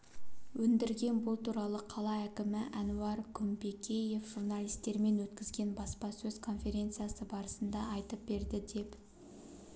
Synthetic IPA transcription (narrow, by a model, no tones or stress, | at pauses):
wɵnd̪ɪɾɡʲe̞nbʊlˠt̪ʰuɾɑlˠəqʰɑlˠɑækʲɪmɪʔɑnuɑɾkʰʊmbe̞kʲʰe̞je̞fʒ̥uɾnɑlʲˠijst̪e̞ɾme̞nwɵt̪kʲɪzɡʲe̞nbɑspɑsɵz̥kʰo̞nfʲe̞ɾʲe̞nt̪sɨjasəbɑɾəsənd̪ɑːjt̪əp̚be̞ɾd̪ɪd̪e̞p